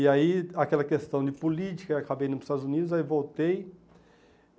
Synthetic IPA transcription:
ɪaiakɛlɐkest̪ɐ̃w̃d͡ʒɪpulit͡ʃi̥kɐakabejĩnʊʊ̥st̪ad̪ʊzunid̪ʊzaivowt̪ej

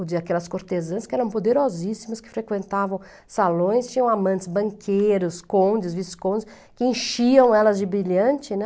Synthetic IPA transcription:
d͡ʒɪakɛlɐskoɾt̪ezɐ̃skɪɛɾɐ̃w̃pod̪eɾozisimʊskɪ̥fɾekwẽnt̪avɐ̃w̃ | salõj̃st͡ʃĩɲɐ̃w̃amɐ̃nt͡ʃ̪ɪzbɐ̃ŋkʰejɾʊskõd͡ʒɪzviskõʊs | kɪẽʃiɐ̃w̃ɛlɐzd͡ʒɪbɾiʎɐ̃nt͡ʃɪnɛ

